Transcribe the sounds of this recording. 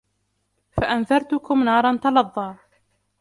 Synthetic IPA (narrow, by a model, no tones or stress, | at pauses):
faʔanðɑɾˤt̪ʊkʊmnɑːɾˤɑnt̪ɑlɑðˤːɑː